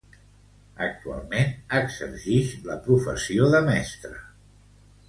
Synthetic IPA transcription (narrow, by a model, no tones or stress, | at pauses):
ə̰k̚t̪ua̰lˠmenəɡzə̰ɾʒiʃləpɾufə̰sioðəmɛst̪ɾə